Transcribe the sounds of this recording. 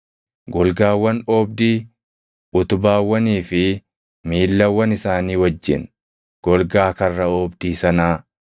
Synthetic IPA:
ɡɔlɡaːwːɐnoːb̚d̪iː | ʊt̪ʊbaːwːɐniːfɪ | miːlːɐwːɐnɪsaːniːwɐd͡ʒːɪ̰n | ɡ̥ɔlɡaːkɐrːɐoːbd̪iːsɐnaː

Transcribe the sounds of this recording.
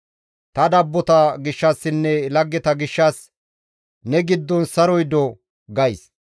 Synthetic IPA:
t̪ɐd̪ɐbːɔt̪ɐɡɪʃːɐsːɪnːɛlɐɡːɛt̪ɐɡɪʃːɐs | nɛɡɪd̪ːɔnsɐɾɔjd̪ɔ | ɡɐjs

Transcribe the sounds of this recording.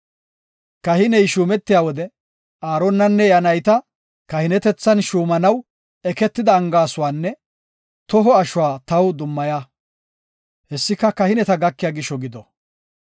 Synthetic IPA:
kɐhɪnɛjʃuːmɛt̪ːɪjaːwɔd̪ɛ | aːɾɔnːɐnːɛjɐnɐjt̪ɐ | kɐhɪnɛt̪ɛt͡sːɐnʃuːmɐnɐw | ɛkɛt̪ːɪd̪ɐːŋɡaːsʊwaːnːɛ | t̪ɔɦɔɐʃʊwaːt̪ɐwd̪ʊmːɐjaː | hɛsːɪkɐkɐhɪnɛt̪ɐɡɐkːɪjaːɡɪʃːɔɡɪd̪ɔ

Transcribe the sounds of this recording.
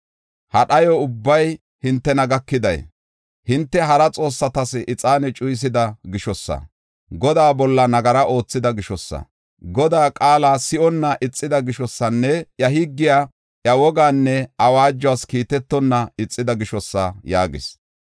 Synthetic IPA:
hɐɗɐjɔʊbːɐj | hɪnt̪ːɛnɐɡɐkːɪd̪ɐj | hɪnt̪ːɛɦɐɾɐt͡sʼo̞ːsːɐt̪ɐsɪt͡sʼaːnɛt͡ʃʼʊjs̬ɪd̪ɐɡɪʃɔsːɐ̰ | ɡɔd̪aːbɔlːɐnɐɡɐɾɐʔo̞ːt͡sːɪd̪ɐɡɪʃɔsːɐ̰ | ɡɔd̪aːkʼaːlasɪʔɔnːɐʔɪt͡sʼːɪd̪ɐɡɪʃɔsːɐnːɛjɐɦɪɡːɪja | ʔjɐwɔɡaːnːɛɐwaːd͡ʒːɔaːskiːt̪ɛt̪ːɔnːɐɪt͡sʼːɪd̪ɐɡɪʃɔsːɐjaːɡɪ̰s

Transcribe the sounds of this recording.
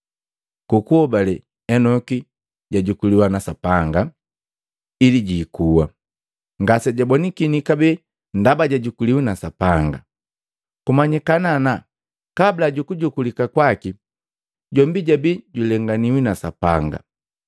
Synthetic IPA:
kukuɔbalɛ | ɛnɔki | ɟaɟukuliwanasapaŋɡa | iliɟiːkuwa̰ | ŋɡasɛɟabɔnikinikabɛ | ndabaɟaɟukuliwinasapaŋɡa̰ | kumaɲikanana | kablaɟukuɟukulikakwaki | ɟɔmbiɟabiɟulɛŋɡaniwinasapaŋɡa̰

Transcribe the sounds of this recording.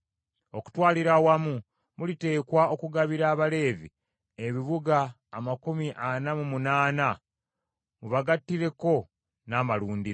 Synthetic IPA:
o̞ku̥twaːliɾawamu | mulite̞ːkwao̞kuɡaβiɾaːβale̞ːvḭ | eβiβuɡaː | makumiʔanamumunaːna | muβaɡatːiɾe̞ko̞ | naːmaluːndiɾ

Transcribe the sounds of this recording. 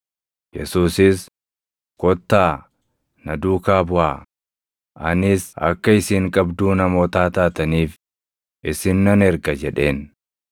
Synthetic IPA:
jɛsuːsɪs | kɔt̪ːaː | nɐd̪uːkaːbʊʔaː | ʔɐnɪsɐ̰kːɐɪsiːŋkʼɐbd̪uːnɐmo̞ːt̪aːt̪aːt̪ɐniːf | ʔɪsɪnːɐnɛɾɡɐd͡ʒɛᶑe̞ːn

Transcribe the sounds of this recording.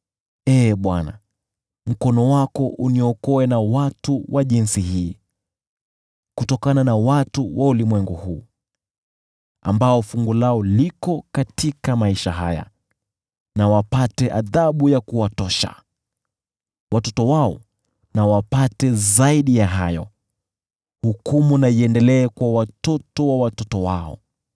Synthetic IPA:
ɛɓwana̰ | m̩kɔnɔwakɔʔuniɔkɔɛnawatuwʔaʄinsihiː | kutɔkananawatuwʔaulimwɛŋɡuhuː | a̰mbaɔfuŋɡulaɔlikɔkatikamaiʃa̰ɦa̰ja̰ | nawapatɛʔaðaɓujakuwatɔʃa̰ | wʔatɔtɔwaɔ | nawapatɛzaiɗijaɦajɔ̰ | hukumunaiɛndɛlɛːkwawatɔtɔwawatɔtɔwaɔ̰

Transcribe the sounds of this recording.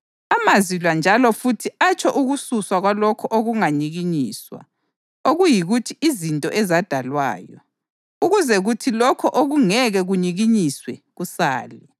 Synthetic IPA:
amazilwand͡ʒʱalɔfutʰiat͡ʃʰʼɔʔuɣususwaɣwalɔkʰɔʔoɣuŋaɲiɣiɲiːswa̰ | oɣujiɣutʰiizintʼɔ̰ʔɛzad̥ʱalwa̰ːjɔ̰ | uɣuzɛɣutʰilɔkʰɔʔoɣuŋɛɣɛɣuɲiɣiɲiswɛɣusa̰ːli

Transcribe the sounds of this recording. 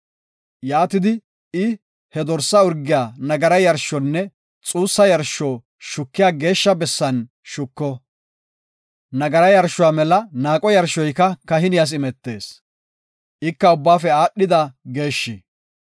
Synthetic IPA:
jaːt̪ɪd̪ɪ | ɪ | hɛd̪ɔɾsːɐʊɾɡɪjaːnɐɡɐɾɐjɐɾʃːɔnːɛ | t͡sʼuːsːɐjɐɾʃːɔː | ʃʊkːɪjaːɡe̞ːʃːɐbɛsːɐn | ʃʊkːɔ | nɐɡɐɾɐjɐɾʃːʊwaːmɛlɐnaːkʼɔjɐɾʃɔjkɐkɐɦɪnɪjɐs̬ɪmɛt̪ːe̞ːs | ʔɪkːɐʊbːaːfɛaːɗːɪd̪ɐɡe̞ːʃːɪ

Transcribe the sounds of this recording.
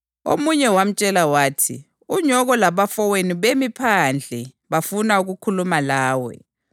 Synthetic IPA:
o̰muɲɛwam̩t͡ʃʼɛlawaːtʰḭ | uɲɔɣɔlaβafɔweniβemipʰand͡ɮʱɛ | βafunauɣukʰulumalaːwɛ̰

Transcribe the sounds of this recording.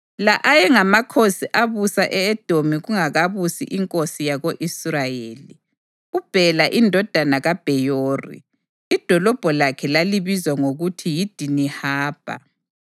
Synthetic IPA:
laʔajɛŋamakʰosiʔaβusaʔɛːd̥ʱomiɣuŋaɣaβusḭʔiŋkʼosijaɣoʔisrajeːli | ub̥ʱɛlaʔindʱɔd̥ʱanaɣab̥ʱɛjoːrḭː | d̥ʱɔlɔb̥ʱɔlakʰɛlaliβizwaŋoɣutʰijid̥ʱinihaːb̥ʱa̰

